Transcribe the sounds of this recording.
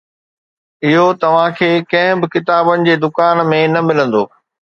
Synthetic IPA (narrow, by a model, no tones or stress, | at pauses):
ɪɦot̪ɐʋ̤ãkʰeːkɐ̃ɦɪ̃bɪkɪt̪aːbənɪ̆d͡ʑeːd̪ʊkaːnmẽnɐmɪlə̃nd̪oː